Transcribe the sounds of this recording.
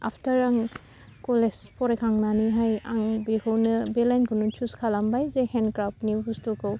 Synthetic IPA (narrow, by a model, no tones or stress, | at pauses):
a̰pʰtaɾaŋ | kɔlespʰɔɾekʰaŋnaniɦaja̰ŋbehɯwnɯbelankʰunut͡ʃuskʰalambajzehenkɾap̚nibustukɯw